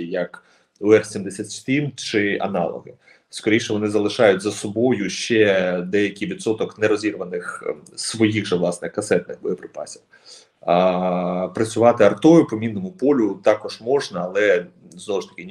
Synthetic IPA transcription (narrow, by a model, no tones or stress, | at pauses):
jɐk | ɔɛrsʲimd̪esʲat̪ʲsʲt̪ʲimt͡ʃɪʔɐ̰nɑ̰lˠɔ̰ɦɪ | skɔɾʲijʃɛʋɔnɪzɐlˠɪʃɑjʊtʲzɐsɔbɔjʊʃt͡ʃɛd̪ɛjɐkʲɪjʋʲid̪sɔt̪ɔknɛɾɔzʲirʋɐnɪxsʋɔjiɣʒɛʋlˠɑsnɪxkɐsɛt̪̚nɪxbɔjɔpɾɪpɑ̰sʲiw | pɾɐt͡sʲʊʋɑt̪ɪɐrt̪ɔjʊpɔmʲinːɔmʊpɔlʲʊt̪ɑkɔʒmɔʒnɐːlˠɛ | znɔʋɔʃt̪ɐ̥kɪ